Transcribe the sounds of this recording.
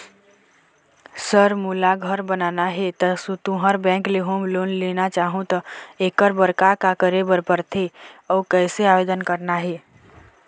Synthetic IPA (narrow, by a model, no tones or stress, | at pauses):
səɾmulaɡʱəɾbənanaɦet̪əsũt̪ũɦəɾbɛ̃ːŋkleɦoːmloːnlenat͡ʃaɦũt̪əekəɾbəɾkakakəɾebəɾpəɾt̪ʰeɔkəɪseaʋed̪ənkəɾnaɦe